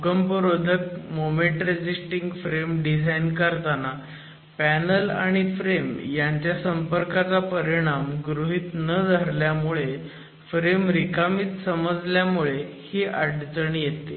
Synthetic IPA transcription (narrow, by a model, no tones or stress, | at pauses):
ukəmpəɾod̪ʱək̚momeʈɾed͡ʑisʈiŋɡfɾemɖid͡zʱajnkəɾt̪ana | pænəla̰ɽ̃ifɾemjaɲt͡ɕjasəmpəɾkat͡sapəɾiɽ̃amɡɾuɦiːt̪nəd͡zʱaɾljamuɭe | fɾemɾikamiːt̪səməd͡zljamuɭehiːʔaɽd͡zəɳjet̪e